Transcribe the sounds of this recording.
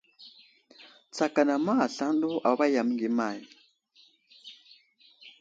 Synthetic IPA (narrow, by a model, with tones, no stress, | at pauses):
t͡sa˨ka˨na˨ma˦a˨ɬa˦ndɔ˦ʔa̰˨˦βa˦ja˨mi˦ŋɡɛ˨maː˨ji˨